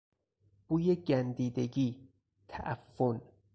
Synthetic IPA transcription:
b̥uːjeɟænd̪iːd̪e̞ɟiː | t̪ʰæ̰ʔæfːon

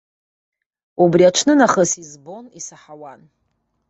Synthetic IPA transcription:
ubriaʈ͡ʂʰnɨnaχəsizbonisaħawan

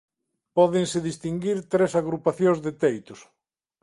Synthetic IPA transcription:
pɔðɪŋsɪðist̪iŋɡiɾt̪ɾesaɣɾupaθjõŋzðet̪ejt̪ʊs

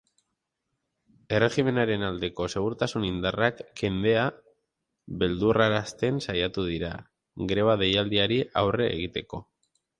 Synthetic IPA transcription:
e̞re̞xime̞naɾe̞nald̪e̞ko̞se̞ɣ̞uɾt̪asunind̪arakːe̞nd̪e̞a | βe̞ld̪uraɾast̪e̞nsajat̪uðiɾa̰ | ɡɾe̞β̞aðe̞jald̪iaɾiawre̞̰ːɣ̞it̪e̞ko̞

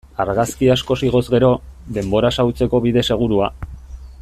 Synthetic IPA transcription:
aɾɣaskiasko̞siɣ̞o̞zɣe̞ɾo̞d̪e̞mbo̞ɾasawt͡se̞ko̞βiðe̞se̞ɣ̞uɾua

